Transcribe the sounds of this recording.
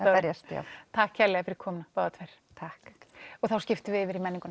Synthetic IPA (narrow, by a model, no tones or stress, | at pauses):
ɛɾjɛst̪ja̰wt̪ʰahkcʰɛɾlɛɣafɪɾɪɾ̥kʰɔːmnapaːðat̪ʰɛɾ̥ | t̪ʰahkɔɣθawscɪft̪ʏvɪɪvɪɾimɛnːiŋkʏn